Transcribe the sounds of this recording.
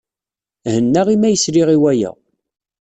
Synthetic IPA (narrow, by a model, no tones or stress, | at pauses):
hənːaʁimæjəsɾiʁiwæjæ̰